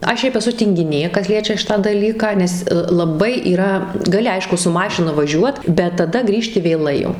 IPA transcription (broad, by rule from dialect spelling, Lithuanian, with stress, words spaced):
ˈɐʃ ˈʃʲɛɪp ɛˈsʊ tʲɪŋʲɡʲɪˈnʲeː ˈkɐs ˈlʲiɛt͡ʃʲɛ ˈʃʲɪtɑː ˈdɑːlʲiːkɑː nʲɛs lˠɐˈbɐɪ iːˈrɐ ɡɐˈlʲɪ ˈɐɪʃkʊ sʊ ˈmɑːʃʲɪnɐ ʋɐˈʒʲuɔt bʲɛt tɐˈdɐ ˈɡrʲiːʃʲtʲɪ ʋʲeːˈlˠɐɪ jɛʊ